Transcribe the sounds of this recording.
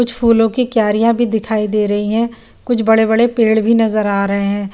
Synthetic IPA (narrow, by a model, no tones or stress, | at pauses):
kʊt͡ʃʰpʰuːlõkikjaːɾijãbʱid̪ɪkʰaːid̪eːɾɐɦiɦɛ̃ː | kʊt͡ʃʰbɐɽebɐɽepeːɽbʱinɐzəɾaːɾɐɦeɦɛ̃ː